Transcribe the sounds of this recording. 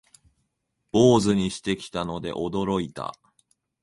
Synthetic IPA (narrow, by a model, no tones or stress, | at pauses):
b̥o̞ːzɨɲ̟iɕi̥t̪e̞kʲi̥t̪ano̞d̪e̞̰ʔo̞d̪o̞ɾo̞it̪a̰